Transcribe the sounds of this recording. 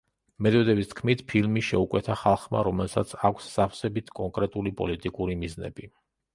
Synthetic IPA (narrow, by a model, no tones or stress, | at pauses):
mɛd̪ɔd̪ɛbist̪ʰkʰmit̪ʰpʰilmiʃɛukʼwɛt̪ʰaχalˠχma̰ɾɔmɛlˠsat̪sʰakʷʰsz̥afʰsɛbit̪ʰkʼɔŋkʼɾɛt̪ʼulipʼɔlit̪ʼikʼuɾimiznɛ̰bi